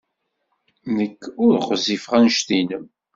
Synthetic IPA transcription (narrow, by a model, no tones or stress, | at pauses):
nəkːʊɾχəzifʁænʃt̪inəm